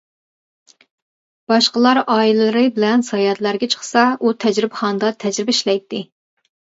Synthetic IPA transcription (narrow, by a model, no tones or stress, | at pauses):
b̥ɑʃqəlˠɑɾɑːilɨɨɾɨbɪlɛnsɑjɑt̪læɾɡʲɛt͡ʃʰə̥χsɑut̪ʰɛd͡ʒɾɪbχɑnɨd̪ɑt̪ʰɛd͡ʒɾɪbɪiʃlɛjt̪ʰːɪ